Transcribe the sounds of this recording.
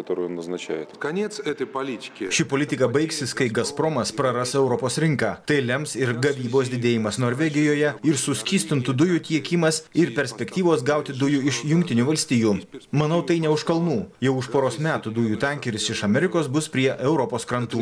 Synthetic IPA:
ɐt̪oːɾuːjnuznɐt͡ʃʲæ̰ːjot̪kɐnʲesɛt̪ɐpɐlʲit̪ʲɪ̥kʲːʃʲɪpoːlʲɪt̪ʲɪkɐbɐɪksʲɪskɐɪɡɐspɾoːmɐspɾɐɾɐsɛʊɾɔpoːsɾʲɪŋkɑːt̪ɐɪlʲɛmsɪɾɡɐʋʲiːboːsʲd̪ʲɪd̪ʲeːjɪmɐsnoːɾʲʋʲɛɡʲɪjoːjɛɪɾsʊsʲkʲiːsʲt̪ʲɪnt̪ud̪ʊjut̪ʲiɛkʲiːmɐsɪɾpʲɛɾʲsʲpʲɛkt̪ʲiːʋoːsɡɐʊt̪ʲɪd̪ʊjuɪʃjʊŋkʲt̪ʲɪnʲuːʋɐlʲsʲt̪ʲiːjuːmɐnɐʊt̪ɐɪnʲɛʊʃkɐlˠnuːjɛʊʊʃpoːɾoːsmʲæːt̪ud̪ʊjuːt̪ʲæŋʲkʲɛɾʲɪsɪʃɐmʲɛɾʲɪkoːsbʊspʲɾʲiɛʔɛʊɾɔpoːskɾɐnt̪uː

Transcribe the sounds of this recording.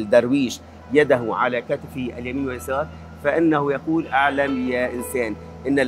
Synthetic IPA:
ld̪ɑɾˤwiːʃ | jad̪aɦʊʕalakat̪ɪfiʔaljamiːnwɪjasɑːɾˤ | faʔɪnːahʊjaquːlʔaʕlamjaːʔɪnsaːn | ʔɪnːal

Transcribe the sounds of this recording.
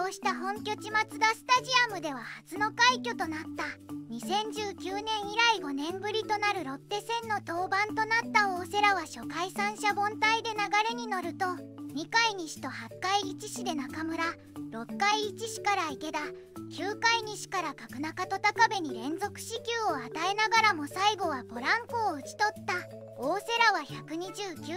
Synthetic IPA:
oːɕi̥t̪aɦõ̞ŋkʲo̞t͡ɕimat͡sɨd̪asɨ̥t̪aʑiamɯ̟d̪e̞β̞ahat͡sɨno̞kaikʲo̞t̪o̞nat̪ːaɲ̟isẽ̞ɲ̟d͡ʑɨːkʲɨːnẽ̞ɰ̃iɾaiɡo̞nẽ̞mbɯ̟ɾʲit̪o̞naɾɯ̟ɾo̞t̪ːe̞sẽ̞nːo̞t̪o̞ːbãnt̪o̞nat̪ːaoːse̞ɾaβaɕo̞kaisãɰ̃ɕabõ̞nt̪aid̪e̞naɡaɾe̞ɲ̟ino̞ɾɯ̟t̪o̞ɲ̟ikaiɲ̟iɕi̥t̪o̞hakːaiːt͡ɕiɕid̪e̞nakamɯ̟ɾa | ɾo̞kːaiːt͡ɕiɕi̥kaɾaike̞d̪a | kʲɨːkaiɲ̟iɕi̥kaɾakakɯ̟nakat̪o̞t̪akabe̞ɲ̟iɾẽ̞nd͡zo̞kɯ̟̥ɕikʲɯːoat̪ae̞naɡaɾamo̞saiɡo̞βabo̞ɾãŋkoːɯ̟t͡ɕi̥t̪o̞t̪ːa | oːse̞ɾaβaçakɯ̟ɲ̟id͡ʑɨːkʲɨ

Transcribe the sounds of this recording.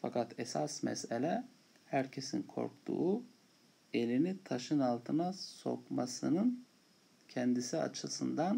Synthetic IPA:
fakat̪ʰesasmɛ̰selʲɛ | hæɾcʰe̞sinkʰo̞̰ɾkt̪ʰṵː | e̞lʲinit̪ʰaʃɯnalˠt̪ʰɯnaso̞̰kmasɯnɯn | cʰɛnd̪isia̰t͡ʃʰɯsɯnd̪an

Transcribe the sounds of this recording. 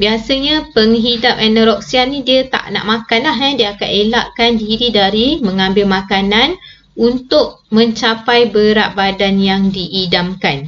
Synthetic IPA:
biasəɲapəŋɦidap̚ɛnəɾɔk̚siannidiət̪a̰ʔna̰ʔmãkanlaɦɛdiəakanela̰ʔkandiiɾidaɾiməŋãmbɪlmakanan | unt̪ʊʔ̚ | mə̃ɲt͡ʃapajbəɾaʔbadanjaŋdiʔːdamkan

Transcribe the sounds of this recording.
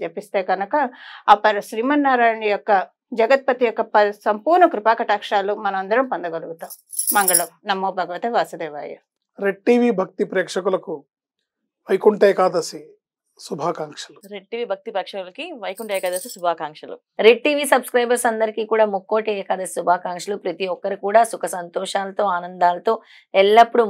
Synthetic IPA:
t͡ʃepːist̪e̞ːɡɐnɐkɐːpːɐɾɐʃɾiːmɐnːaːɾaːjɐɳijɔkːɐ | d͡ʒɐɡɐt̪̚pɐt̪ijɔkːɐpɐsɐmpuːɾɳɐkɾupaːkɐʈaːkʂaːlumɐnɐmɐnd̪ɐɾɐmpɐnd̪ɐɡɐluɡut̪aːm | mɐŋɡɐɭɐnɐmːoːbʱɐɡɐʋɐt̪eʋaːsɐd̪eːʋa̰ːjɐ̰ | ɾeɖ̚ʈiːʋiːbʱɐk̚t̪ipɾɛːkʂɐkulɐku | ʋɐjkuɳʈeːjkaːd̪ɐsi | subʱaːkaːŋkʂɐluɾeɖ̚ʈiːʋiːbʱɐk̚t̪ipɐkʂɐkulɐkiʋɐjkuɳʈeːjkɐd̪ɐsisubʱaːkaːŋkʂɐlṵ | ɾeɖ̚ʈiːʋiːsɐbskɾɐjbɐɾsɐnd̪ɐɾikiːkuːɽaːmukːoːʈɛːjɐkaːd̪ɐsi̥subʱaːkaːŋkʂɐlupɾɐt̪iɔkːɐɾikuːɽaːsukʰɐsɐnt̪ɔːʂaːlɐt̪o̞ːaːnɐnd̪aːlɐt̪o̞ː | ɛlːɐpːuɽu

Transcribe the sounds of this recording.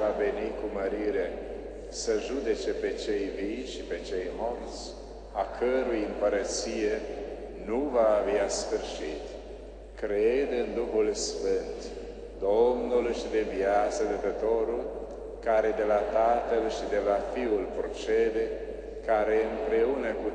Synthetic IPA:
vave̞nikuməɾiɾe̞ | səʒud̪e̞t͡ʃe̞pe̞t͡ʃe̞jvijʃipe̞t͡ʃe̞jmort̪s | akʰəɾujejɨmpəɾət̪sije̞ | nuvaːveasfɨrʃit̪ | kɾed̪ɨnd̪uxulsfɨnt̪ | d̪o̞mnulʃid̪evjat̪səd̪ət̪ət̪o̞ɾul | kaɾe̞d̪e̞lat̪at̪əlʃid̪e̞lafiulpɾot͡ʃed̪e̞ | kaɾe̞ɨmpɾe̞unəku

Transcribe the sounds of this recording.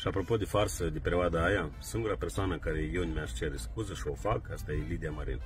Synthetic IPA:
ʃiapɾo̞po̞d̪efarsəd̪epeɾeoad̪əajasɨŋɡuɾapersoanəkaɾejewɨnʲmʲeaʃt͡ʃeɾeskuzəʃio̞fakast̪ajelid̪eamaɾḭn

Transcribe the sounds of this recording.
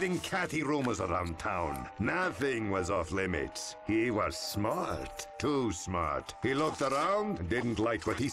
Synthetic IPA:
ɾɪ̃ŋkʰæθiɹõʊməzəɹã̰ʊ̃ntʰãʊ̃nːʌθɪ̃ŋwʌzɔflɪmɪ̰tshiwʌz̥smɑɹtʰːusmɑ̰ɹthilʊk̚tə˞ɔʊ̃ŋɨ̃ndɪdⁿn̩ʔlaɪkwʌt̚hi

